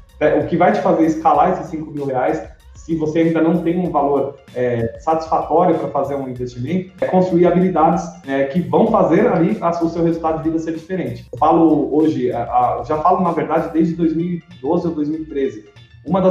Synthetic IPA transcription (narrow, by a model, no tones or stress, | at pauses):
ɛʔʊkɪvajt͡ʃɪ̥fazeɾɪskalaesɪsĩkʊmiwheajs | sɪvoseaĩd̪ɐnɐ̃w̃t̪ẽj̃ũvaloɾ | ɛsat͡ʃi̥sfat̪ɔɾjʊpɾɐfazeɾũĩvest͡ʃimẽnt̪ʊ̥kõst̪ɾuiɾabilid̪ad͡ʒɪsɛkɪvɐ̃w̃fazeɾaliasʊsewhezult̪ad̪ʊd͡ʒɪvid̪ɐseɾd͡ʒifeɾẽnt͡ʃɪ̥falʊoʒɪɛʔaʒafalʊnɐveɾd̪ad͡ʒɪd̪ejzd͡ʒɪd̪ojzmiwid̪ozɪod̪ojzmiwit̪ɾezɪ | ũmɐd̪ɐ